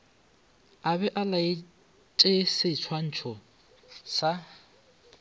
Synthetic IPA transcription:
aβɛʔalaɪ | t͡ʃʼesɪt͡sʰwan̩t͡ʃʰɔ | sa

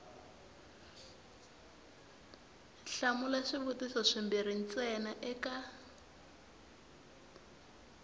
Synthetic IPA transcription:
ɬamulaʂiβutisɔʂimbir̤in̩t͡sɛnaʔɛka

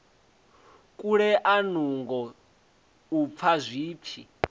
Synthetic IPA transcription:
kʼuɺɛʔanuŋɡɔ | up̪fʰazʷiːp̪fʰi

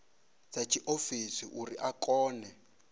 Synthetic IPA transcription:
t͡sat͡ʃʰiʔofisiʔuriʔakɔːnɛ

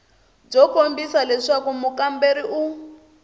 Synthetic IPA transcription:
b͡ʐɔkombisalɛʂakumukambeɾiʔu

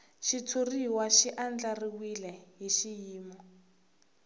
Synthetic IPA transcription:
ʃit͡sʰuriwaʃiʔand͡ɮariwilɛɦiʃijiːmɔ

